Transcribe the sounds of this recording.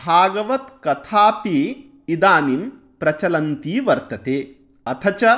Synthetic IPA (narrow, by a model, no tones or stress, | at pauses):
bʱaːɡɐʋɐt̪kɐt̪ʰaːpi | id̪aːnim | pɾɐt͡ʃɐlɐnt̪iːʋɐɾt̪ɐt̪eː | ɐt̪ʰɐt͡ʃɐ